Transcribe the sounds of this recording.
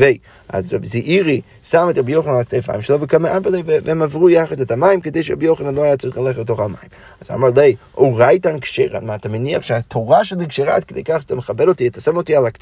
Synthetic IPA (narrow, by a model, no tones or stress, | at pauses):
veɪ | a̰zɛbziʔiɾi | samɪtɾɛbjoʊχənalˠaktʰeɪfa̰ɪmʃɛlˠɔvɪkamaʔambəlˠeɪvvɛmavʁuːjaχədatamajɪmkədeɪʃəɾɛ̰bjoʊχənalˠoajat͡sɾiχalˠɛχətoχama̰jɪm | aza̰maɾlˠeɪ | oːɾajtankʃeɪɾa̰nmataməniapʃatʰoʁaʃɛdɪkʃeɾa̰t̚kədḛɪkaχtʰaməχabɛɾotiɛtasɛmotialˠakt